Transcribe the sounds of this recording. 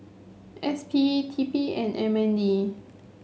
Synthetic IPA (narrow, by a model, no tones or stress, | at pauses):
ʔɛspʰitʰipiɛ̃nɛ̃mɛ̃ndi